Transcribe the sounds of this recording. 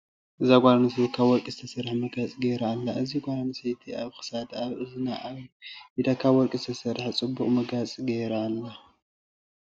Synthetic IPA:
ʔɨzaɡʷʼaɾnɨsekʰaβwɔɾkʼizɨt̪ʰɐsɐɾħmɐɡat͡sʼiɡejɾaːlːaʔɨziɡʷʼaɾɐnɨset̪ʰiaβxɨ̥sad̪aβɨzɨnaʔaid̪akʰaβwɔɾkʼizɨt̪ʰɐsɐɾħt͡sʼɨbːuχʼmɐɡat͡sʼiɡejɾaːlːa

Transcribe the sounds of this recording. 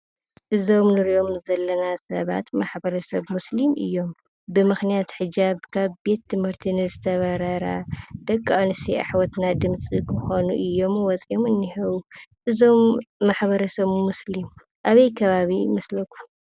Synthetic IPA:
ʔɨzo̞mnɨɾiʔo̞mzɐlːɐnasɐ̰βa̰t̪maħbɐɾɐsɐβmuslimʔɨ̰jːo̞m | bɨmɨxnijat̪ħɨd͡ʒaβkʰaβbe̞t̪ːɨmhɨɾt̪ʰinɨzɨt̪ʰɐβɐɾɐɾa̰d̪̥ɐkʼːanɨsiʔa̰ħwɔt̪nad̪ɨmsʼikʰɨxonuʔɨjːo̞mwɔt͡sʼiomɨnːihɐβuʔɨzo̞mːaħβɐɾɐsɐβmuslim | ʔaβɐjkʰɐβaβimɐslɐkʰːu̥

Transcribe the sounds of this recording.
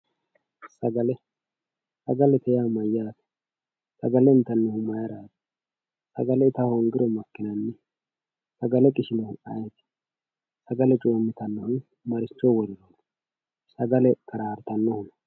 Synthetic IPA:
sɐɡɐlɛ | sɐɡɐlɛt̪ɛjamɐjːaːt̪ɛ̥ | sɐɡɐlɛɪnt̪ːɐnːɔhʊmɐjɐɾaːt̪ɛ̥ | sɐ̰ɡɐlɛt̪ɐhɔʊŋɡɪɾɔmɐkːɪnɐnːɛ | sɐɡɐlɛkʼɪʃɪnɔhʊɐjt̪ɪ̥ | sɐɡɐlɛt͡ʃʼoːmːɪt̪ɐnːɔhʊn | mɐɾɪt͡ʃːɔwɔɾɪɾoːt̪ | sɐɡɐlɛkʰɐɾaːɾt̪ɐnːɔhʊn

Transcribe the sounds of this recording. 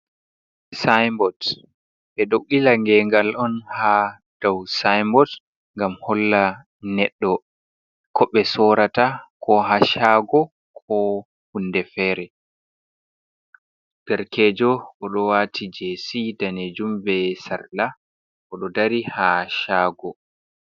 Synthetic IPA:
sajmbɔt | ɓɛɗoɡilaŋɡɛŋɡalʔɔnha | d̥awsajmbɔt | ŋɡamhɔlːa | nɛɗːɔ | kʰɔɓɛsɔɾatakʰɔɦaʃaːɡɔ | kʰɔ | hundɛfɛːɾɛ | ɡ̥ɛɾkɛːd͡ʒɔʔɔɗɔwaːtʰid͡ʒesidaned͡ʒumbɛsaɾla | ʔɔɗɔdaɾihaʃaːɡɔ

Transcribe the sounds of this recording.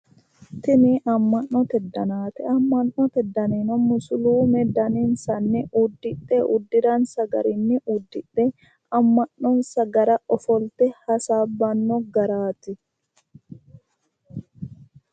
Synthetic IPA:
t̪ɪnɪʔɐmːɐnːɔt̪ɛd̪ːɐnaːt̪ɛɐmːɐnːɔt̪ɛd̪ːɐneːnɔmʊsʊluːmɛd̪ɐninsɐnːɪʔʊd̪ːɪɗɛʔʊd̪ːɪɾɐnsɐɡɐ̰ɾɪnːɪʔʊd̪ːɪᶑɛ | ɐmːɐnnɔnsɐɡɐɾɐɔfɔlt̪ɛhɐsaːbːɐnːɔɡɐɾaːt̪ɪ

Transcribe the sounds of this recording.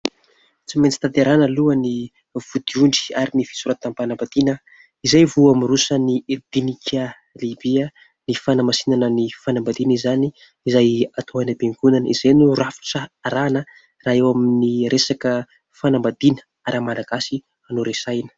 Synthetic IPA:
t͡siment͡si̥t̪ad̪aɾanəluəni | v̥ud̪̥iuɳɖ͡ʐi̥aɾinifi̥suɾat̪ampanambad̪inə | izajvuamirusənid̪̥inikʲʰa | libiə | nifanamasinanənifanambad̪inizani | izajat̪ʰoanabeŋɡunanḭzajnurafi̥ʈ͡ʂəaɾanə | raːewaminiresakə | fanambad̪inə̥ | aɾamalaɡ̥asi | anuɾesajnə̥

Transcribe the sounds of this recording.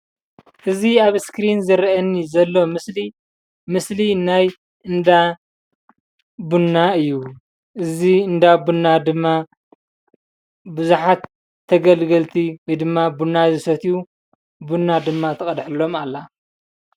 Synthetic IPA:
ʔɨziaβskɾinzɨɾʔɐnːizɐlːo̞mɨsli | mɨslinaj | ɨnd̪a | bunːaɨjːu | ʔɨziɨnd̪abunːad̪ɨmːa | bɨzuħat̪ʰː | ɐɡɐlɡɐlt̪ʰiwɔjd̪ɨmːabunːazɨsɐt̪ʰiju | bunːad̪ɨmːat̪ʰɐkʼɐd̪ħlo̞malːa

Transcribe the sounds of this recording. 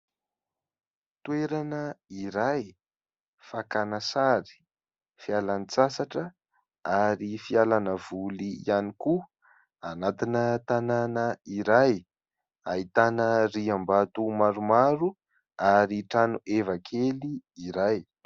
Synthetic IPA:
t̪ueɾanəiɾaj | fakanasaɾi̥ | fialanit͡sasaʈ͡ʂə | aɾifialanəv̥ulianiku | anat̪inət̪ananəiɾaj | ait̪anəriambat̪umaɾumaɾu | aɾiʈ͡ʂanuʔevakʰeliiɾaj

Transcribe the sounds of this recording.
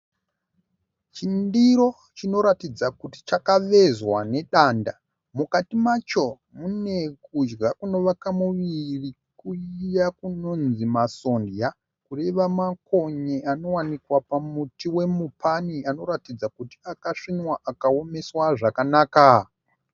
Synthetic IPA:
t͡ʃindiɾo̞ | t͡ʃino̞ɾatid͡zakuti̥t͡ʃakaʋe̞zwane̞ɗaːnda | mukatimat͡ʃo̞ | mune̞kud͡ʒɡakuno̞ʋakamuʋirikuijakuno̞nzimaso̞ndja | kure̞ʋamako̞ɲeano̞wanikwapamutiwe̞mupʰaniano̞ɾatid͡zakuti̥akaʂinwaʔakao̞me̞swaʐakanaːka

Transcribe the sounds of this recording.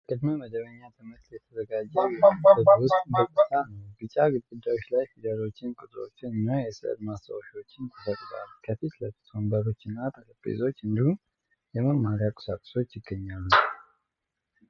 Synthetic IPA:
kʰʼəd̪məməd̪əβəɲːat̪ʰɨmɨtt̪jɛt̪ʰəzəɡad͡ʒːɛjəətwʊst̪ʼbək̪ʼːɨt̪ʰanəwɡɨt͡ʃʼaɡɨt̪ɡʼud̪ːajo̞t͡ʃːlajfid̪əɾo̞t͡ʃːɪnkʼut̪ʼɾo̞̰t͡ʃːɪnɨnːajɛsɨʔd̪mast̪ʰəwoʃo̞t͡ʃːɪnt̪ʰəsət̪ːɡa̰lːukʰəfit̪ləfi̥t̪ʰəmbəɾo̞t͡ʃːɪnːat̪ʰələpʼːḛzo̞t͡ʃːɨnd̪ihum | jɛməmːaɾjakʼu̥sakʼso̞t͡ʃːjɪɡːəɲːalːu

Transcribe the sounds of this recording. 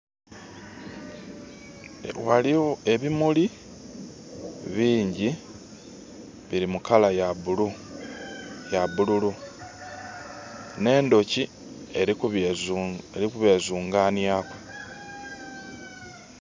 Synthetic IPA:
waliwoe̞βimuli | βiːɲɟi | βiɾimukalajaulu | jaβululu | ne̞ːndo̞ci | e | eɾikuβe̞ːzuːŋɡaːnjaːkwe

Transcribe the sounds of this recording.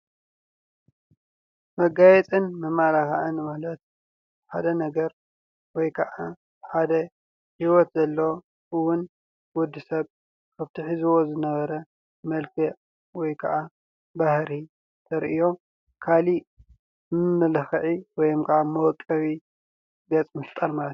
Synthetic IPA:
mɐɡajɛt͡sʼɨnmɨmalaxaʔɨnmalɐt̪̚ | ħad̪ɐnɐɡɐɾ | wɔjkʰɐʔa | bħad̪ɐ | hiwɔt̪zɐlːɐo | ʔɨwʊn | wʊd̪ːɨsɐβ | kʰɐβt̪ʰiħizuwo̞zɨnɐβɐɾɐ | mɐlkʰi | wɔjkʰɐʔa | bahɾi | t̪ʰɐɾʔijo̞ | kʰali | mmɨlɨxʕiwɔjomkʰɐʔamɐwɔkʼːɐβi | ɡɐt͡sʼmɨst̪ʼɐɾmalɐt̪j

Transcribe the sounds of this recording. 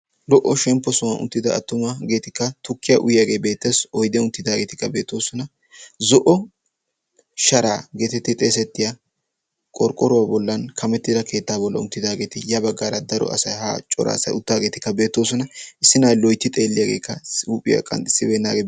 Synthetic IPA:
lɔʔːɔʃɛmpːɔsʊwɐnʊ̰nt̪ːɪd̪ɐʔɐ̰t̪ːʊmɐɡe̞ːt̪ɪkːɐt̪ʊkːɪjɐʔʊjjaɡe̞ːbe̞ːt̪ːeːsɔjd̪jʊnt̪ːɪd̪aːɡe̞ːt̪ɪ̥kːɐbe̞ːt̪ːo̞ːsɔnɐ | zɔʔɔ | ʃɐɾaːɡe̞ːt̪ɛt̪ːɪt̪ʼe̞ːs̬ɛt̪ːɪja | kʼɔɾkʼɔɾʊwaːbɔlːɐnkʰɐmɛt̪ːɪd̪ɐkʰe̞ːt̪ːaːbɔlːɐ̰ʊ̰nt̪ːɪd̪aːɡe̞ːt̪ɪjɐbɐɡːaːɾɐd̪ɐɾɔ̰ʔɐ̰sɐjha̰ːt͡ʃʼɔ̰ɾa̰ːsɐ̰jʊt̪ːaːɡe̞ːt̪ɪkːɐbe̞ːt̪ːo̞ːs̬ɔnɐɪsːɪnajlɔjt̪ːɪt̪ʼeːlːɪjaɡḛːkːɐuːpʼɪjɐ̰kʼɐ̰nt̪ʼɪsːɪbeːnːaːɡeː

